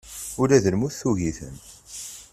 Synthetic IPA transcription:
ʊlæðəlmuθθuʝiθə̰n

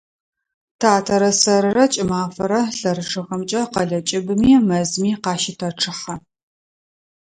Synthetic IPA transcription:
tʰaːtʰɐɾɐsɐɾɨrɐt͡ʃʼɪmaːfɐɾɐɬɐɾɨʈ͡ʂʰɨʁɐmt͡ʃʼɐqɐɮɐt͡ʃʼɪbɨmiːmɐzmiːqɑːʃɪtʰɐrʈ͡ʂʰɨħɐ

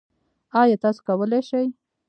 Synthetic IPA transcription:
ɑjɑt̪ɑso̥kawəleʃaj

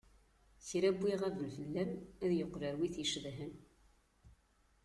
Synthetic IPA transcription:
θiɾæbːiʁævəlfəlːæmæðjəqːɾəɾwiθjəʃðɦən

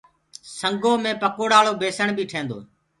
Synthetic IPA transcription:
səŋɡoːmẽːpəkoːɽaːɭoːbeːsəɳbʱiːʈʰẽːnd̪o̰ː

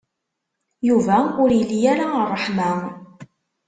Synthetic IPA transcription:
juvæʊɾjəlːjaɾarˤːəħmæ

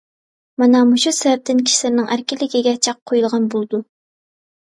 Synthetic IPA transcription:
mɑnɑmuʃusɛvɛp̚t̪ɪnkʲʰi̥ʃlɪɾnɪŋʔæɾkʲilɪɡʲiɡʲɛt͡ʃʰɑq̚qʰːojulˠʁɑnbolˠd̪u

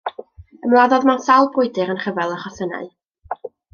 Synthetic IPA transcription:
əmlˠaðɔðmasawlˠbʊɨdɨɾənχəvɛlˠəχɔsəna̰ɨ

